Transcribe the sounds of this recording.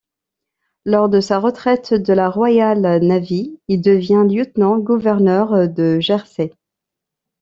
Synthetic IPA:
lɔʁd̪əsaʁət̪χɛt̪d̪əlaʁwajalnaviild̪əvjɛ̃ljət̪nɑ̃ɡuvɛʁnœʁd̪əʒɛʁse

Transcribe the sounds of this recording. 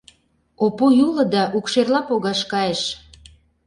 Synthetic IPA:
opojulɤ̆d̪ɑʔukʃerlɑpoɣɑʃkɑjeʃ

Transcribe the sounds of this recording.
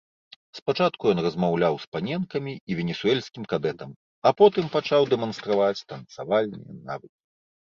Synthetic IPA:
spat͡ʂat̪̚kujɔnrɐzmawlʲawspanʲɛnkɐmʲiivʲɛnʲɛsuɛlʲsʲkʲimkad̪ɛt̪ɐm | ɐpɔt̪ɨmpat͡ʂawd̪ɛmɐnst̪ɾavat͡sʲt̪ɐnt̪savalʲnɨ̰jɛ̰na̰vɨkʲi̥

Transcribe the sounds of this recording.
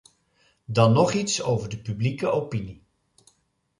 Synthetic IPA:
dɑnːɔχitsowvəɹdəpyblikəʔowpini

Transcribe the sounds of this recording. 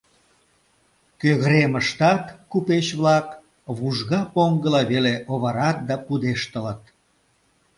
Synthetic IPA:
køɣɾeməʃt̪ɑt̪kupet͡ɕβlɑk | βuʒɣɑpoŋɡəlɑβeleʔoβɑɾɑt̪̚d̪ɑpud̪eʃt̪ələt̪̚

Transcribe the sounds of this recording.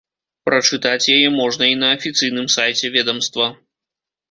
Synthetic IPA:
pɾɐt͡ʂɨt̪at͡sʲjajɛmɔʐnɐinɐːfʲit̪sɨjnɨmsajt͡sʲɛvʲɛd̪ɐmst̪vɐ

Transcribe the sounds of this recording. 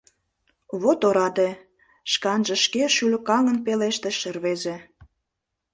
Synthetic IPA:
βot̪oɾɑd̪e | ʃkɑnʒə̆ʃkeʃylʲkɑŋənpeleʃt̪eʃə̆rβezĕ

